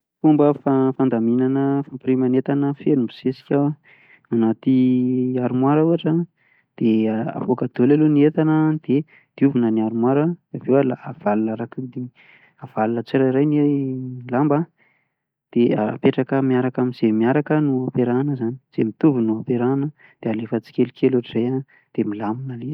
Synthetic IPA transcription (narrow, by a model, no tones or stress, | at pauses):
fumbəfafand̪aminanəfampɾimanet̪anəfenumbi̥sesi̥kʲa | anat̪iaɾumwaɾəuaʈ͡ʂə | d̪̥ea̰pokad̪̥olaluniet̪anəd̪̥e | d̪̥iuvunəniaɾumwaɾəavewalaːv̥alunaɾakud̪i | av̥alunət͡siɾaɾajnelamba | d̪̥eaa̰peʈ͡ʂakəmiaɾakaminz̥emiaɾakənuapeɾanəzani̥z̥emit̪uvinuapeɾanə | d̪̥ealefət͡si̥kʲelukʰʲelaʈ͡ʂizajan | d̪̥emilaminəle